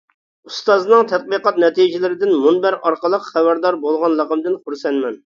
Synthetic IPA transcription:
ust̪ɑznɨŋt̪ʰɛt̪̚biqɑt̪̚nɛt̪ijd͡ʒɪlɪɾɪd̪ɪnmunbæɾɑɾqəlˠəqχæbæɾd̪ɑɾbolˠʁɑnlˠɑqəmd̪ɪnχuɾsɛnmɛn

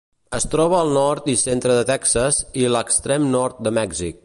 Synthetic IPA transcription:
əst̪ɾɔβ̞əːlˠnɔɾt̪isent̪ɾəðət̪ɛksəziləkst̪ɾemnɔɾt̪̚d̪əmɛɡzik̚

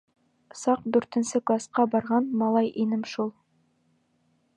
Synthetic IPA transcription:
sɑq̚d̪ʉɾt̪ɘ̆nsɘklˠasqɑbɑɾʁɑnmɑlˠɑjʔinɘmʃulˠ

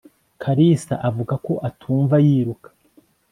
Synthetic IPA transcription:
kʰaɾisa̰ʔavuɡako̞ʔatʰuːɱvajiːɾukḁ

